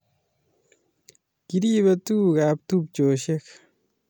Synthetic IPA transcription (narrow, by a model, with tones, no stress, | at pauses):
ki˦ɾi˦βe˦tu˦ka˨p̚tu˦p̚t͡ʃo˨ʃe˦k